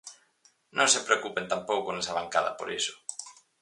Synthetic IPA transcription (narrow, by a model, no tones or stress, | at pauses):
nʔõŋsepɾeokupent̪ampowkonesaβaŋkaðɐ̰po̰ɾisʊ̥